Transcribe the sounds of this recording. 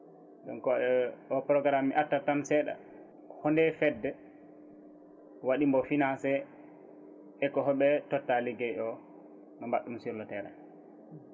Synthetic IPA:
ɗɔnkɔɛɔpɾɔɡɾamːiʔatːatamsɛɗa̰ | hɔndɛfɛdːɛ | waɗimbɔfinasɛ | ɛkɔɦɔɓɛtɔtːalɛɡɛʔɔ | nɔmaɗːumsiɾlɔtɛɾɛ̰

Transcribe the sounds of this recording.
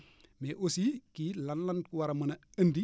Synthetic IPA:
meʔosikilɐnlɐnkuwaɾɐmɐnɐəndi

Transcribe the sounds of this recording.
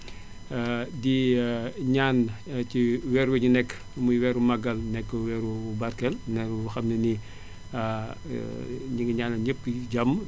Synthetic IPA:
di | ɲaːnciwɛːɾweɲunɛkː | mujwɛɾumɐɡɐlnɛkːwɛɾubɐɾkɛlnɛuxɐmneni | ɲiŋɡɲaːnɐɲəp̚ːiɟɐmː

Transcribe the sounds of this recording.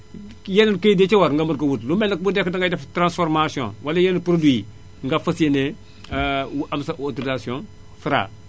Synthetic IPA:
jɛnikejdet͡ʃewaɾŋɡamɐɾkɐwutlumɛnak̚budɛkdaŋɡadaftɾãnsfɔɾmasiɔ̰̃nwalajɛnupɾodwi | ŋɡafɐsjene | wʔamsaʔotoɾizasiɔ̃ | fɾa̰

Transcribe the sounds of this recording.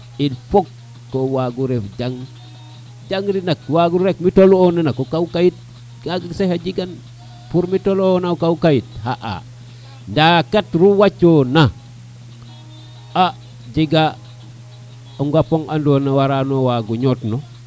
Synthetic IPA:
ilfokː | owaɡuɾefɟaŋ | d͡ʒaŋɾinakwaɡuɾekmitolonanakokawkajit̚ | ɡaɡasehad͡ʒiɡan | puɾmitolonakaukajit̚haʔa̰ | ndakatɾuwat͡ʃona | a | d͡ʒiɡa | uŋɡapoŋandonawaɾanowaɡuɲotno

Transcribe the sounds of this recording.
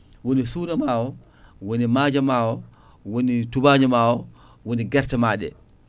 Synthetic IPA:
wonisuːnamaːwɔ | wonimaːd͡ʒamaːwɔ | wonitubaːɲamaːwɔ | woniɡɛɾtamaːɗɛ̰

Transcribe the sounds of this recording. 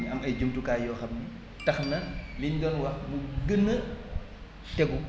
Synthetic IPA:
iɐmɐjd͡ʒumtukaːjɔːxɐmni | tɐxnɐliɲdɔnwɐxmuɡənːə | tɛɡu

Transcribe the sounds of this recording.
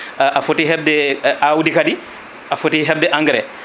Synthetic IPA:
ʔafotiɦɛb̚dɛʔawudikadi | afotiɦɛb̚dɛʔaŋɡɾɛ

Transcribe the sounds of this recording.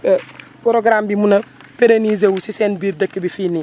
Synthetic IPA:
pɾoɡɾambimunɐfeɾenizewusiseːnbiːɾdɐkːibifiːni

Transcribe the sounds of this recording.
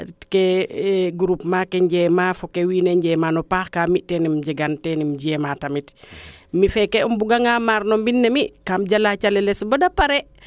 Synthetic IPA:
tkeɡuɾupmakeɲɟɛmafukewinɛɲɟɛmanɔpaxkamitːɛnimɟiɡantɛnimɟiɛmatamitmifɛkɛumbuɡaŋamaɾnɔmbinːemikamɟalat͡ʃalɛlɛsbɔdapaɾɛ

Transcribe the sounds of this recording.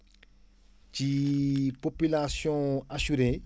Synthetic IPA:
t͡ʃipopylasjɔ̃asyɾe

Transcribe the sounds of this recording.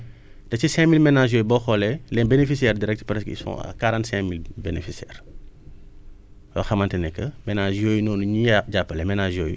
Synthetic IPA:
tɐt͡ʃisɛ̃milmɛnaʒjoːjubɔxɔlɛlɛnbenefisiɛrdiɾɛk̚tpɾɛskḭsɔ̰̃ːkaɾãːntsɛ̃milbenḛfisiɛ̰ːr | wɐ̰xɐmɐntɛnɛkːəmɛnaʒjoːjunɔːnuɲiɟapːəlɛmɛnaʒjoːju

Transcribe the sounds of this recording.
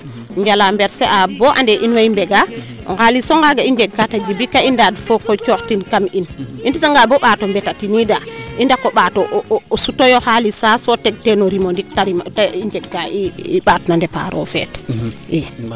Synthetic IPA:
ɲd͡ʒalambɛɾsɛʔabɔʔa̰ndɛʔinwajimbɛɡaʔɔ̰ŋɡalisɔŋɡaɡaiɲd͡ʒɛɡːatad͡ʒibikaindadfɔkɔt͡ʃɔxtinkaminʔinditaŋɡabɔɓaːtɔmbɛtatinidaʔindakɔɓatɔʔsutɔjɔhalisasɔtɛɡ̚tɛnɔɾimɔndik̚taɾimtaiɲd͡ʒɛɡaiiɓatnandɛpa̰ɾɔ̰fɛ̰tʔɛ

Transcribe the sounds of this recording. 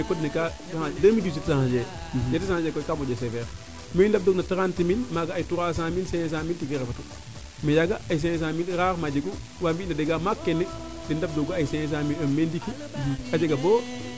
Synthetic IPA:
ekodnika | sahadamidus̬etisahad͡ʒe | jets̬ahad͡ʒekokamod͡ʒes̬evɛɾ | meindab̚doknataɾantiminmaɡaːjtuɾas̬aminsees̬amiltiɡeɾefatu | mejaɡajis̬ejs̬amilɾaɾmad͡ʒiku | wabinadeɡamakːenːi | dindab̚doɡaaisejɛs̬amilomendiki | ad͡ʒeɡaboː

